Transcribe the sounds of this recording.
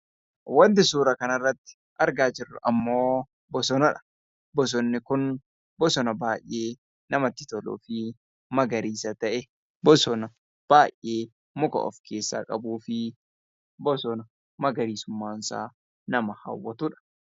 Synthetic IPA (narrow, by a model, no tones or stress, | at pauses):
wɐnt̪̬ɪsuːɾɐkɐnɐrːɐt̪ːɪ̥ | ʔɐɾɡaːd͡ʒɪrːʊʔɐmːoː | bɔsɔnɐᶑɐ̥ | bɔs̬ɔnːɪkʊn | bɔsɔnɐbaːjːeː | nɐmɐt̪ːɪt̪ɔlṵːfɪ | mɐɡɐɾiːsɐt̪ɐʔɛ | bɔsɔnɐ | b̥aːjʔeː | mʊkɐ̰ʔɔ̰fkʰe̞ːsːa̰ːkʼɐbuːfɪ | bɔsɔnɐ | mɐɡɐɾiːsʊmːaːnsa̰ː | nɐmɐhɐ̰wːɐt̪ʊᶑɐ̥